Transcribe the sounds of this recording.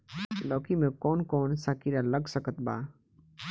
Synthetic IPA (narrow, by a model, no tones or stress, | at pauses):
lɔːkʰimẽkɔːnkɔːnsaːkiɾaləɡsəkət̪ba̰ː